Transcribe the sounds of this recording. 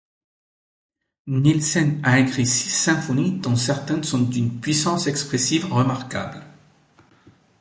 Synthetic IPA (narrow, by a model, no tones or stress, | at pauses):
nilsɛnaɛ̃ɡʁisi̥sɛ̃fɔnid̪ɔ̃sɛʁt̪ɛ̃nsɔ̃t̪ynpɥisɑ̃sɛkspχesivʁəmaʁkabl